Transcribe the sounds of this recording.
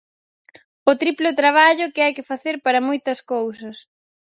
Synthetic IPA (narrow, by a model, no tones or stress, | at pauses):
ʊt̪ɾiplʊt̪ɾaβ̞aʎʊkɪajkɪfaθeɾpaɾɐmojt̪ɐskowsɐs